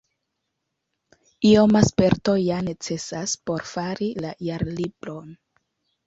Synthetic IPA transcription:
iomaspe̞ɾto̞jane̞t͡se̞saspo̞ɾfaɾilajaɾlibɾo̞n

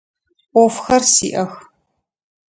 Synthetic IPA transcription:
ɔfxɐrsḭːʔɐx

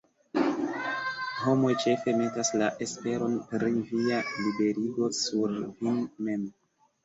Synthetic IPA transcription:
ho̞mo̞jt͡ʃe̞fe̞me̞taslaʔe̞spe̞ɾo̞npɾivialibe̞ɾiɡo̞suɾvinme̞m

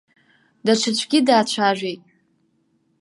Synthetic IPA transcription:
daʈ͡ʂʰɨt͡ɕʷʰɡʲidaːt͡ɕʷʰaʒʷᶣejtʼ

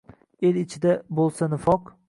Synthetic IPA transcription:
elɪt͡ʃʰɪd̪abolˠsanɪfɒq

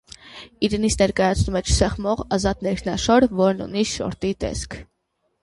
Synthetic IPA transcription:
iɾɛnit͡sʰnɛɾkɑjɑt͡sʰnumɛt͡ʃʰsɛχmɔʁɑzɑt̪nɛɾkʰnɑʃɔɾvɔɾnṵniʃɔ̰ɾt̪it̪ɛ̰skʰ

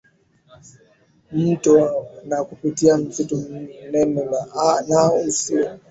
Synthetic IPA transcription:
m̩tɔnakupitiam̩zitɔnɛnɛlanausi

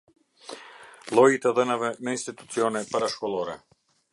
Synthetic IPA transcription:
lˠɔjit̪ɛðɛnavɛnainst̪it̪u̥t̪siɔnɛpaɾaʃkɔlˠɔɾɛ̰

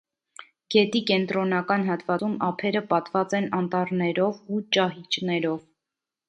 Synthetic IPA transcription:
ɡ̥ɛt̪ikɛnt̪ɾɔnɑkɑnɦɑt̪vɑt͡sumɑpʰɛɾəpɑt̪vɑt͡sɛnɑnt̪ɑɾnɛɾɔvut͡ʃɑɦit͡ʃnɛɾɔv

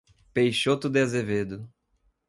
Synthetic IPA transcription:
pejʃot̪ʊd̪azeved̪ʊ

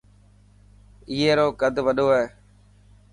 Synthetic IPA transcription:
iːeːɾoːkəd̪ʱʋəɗoːɦeː

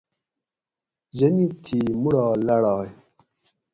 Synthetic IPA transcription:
d͡ʑɐnit̪ʰiːmuɽaːlɐɽɑːj

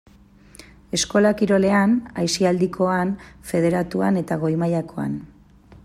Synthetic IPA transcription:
e̞sko̞lakiɾo̞le̞anajsiald̪ikʰo̞anfe̞ð̞e̞ɾat̪uane̞t̪aɣ̞o̞jmajako̞a̰n

